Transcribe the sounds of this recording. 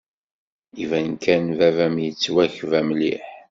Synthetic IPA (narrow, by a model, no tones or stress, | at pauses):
ivænkʰænvævæmjət͡sːwæçvæmliħ